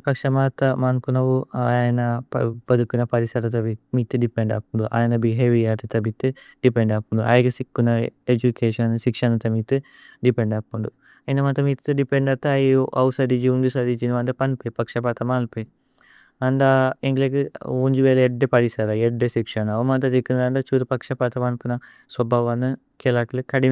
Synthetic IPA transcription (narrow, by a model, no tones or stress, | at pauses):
pɐkʂɐmaːt̪ɐmaːnpunɐʋuaːjɐnɐpɐbɐd̪ukːunɐpɐɾisɐɾɐt̪ɐbimiːt̪ːɨɖipeɳɖa̰ːp̚uɳɖuʔa̰ːjɐnɐbiɦeːʋijaːɾt̪it̪ɐbit̪ɨɖipeɳɖaːpuɳɖ̪uʔa̰ːjɐɡɐsikːunɐed͡ʒukeːʃɐnsikʂɐnɐt̪ɐmit̪ɨ | ɖipeɳɖakːuɳɖu | ind̪ɐmɐnt̪ɐmiːt̪ɨɖipeɳɖɐt̪ːɐɐjʔɐwsɐd̪id͡ʒiund̪usɐd̪it͡ʃinʋɐnd̪ɐpɐnpepɐkʂɐpat̪ɐmaːlpe | ɐnd̪aeŋɡlekɨuɲd͡ʒuʋeːlɐeɖːepɐɽisɐɾaeɖːesikʂɐnɐʋɐmɐnt̪̬ɐt̪ikːund̪aɳɖɐt͡ʃuːɾupɐkʂɐpaːt̪ɐmɐnpunɐ | sʋɐbʱaːʋɐnːɨ | kelaːkilɨkɐɽi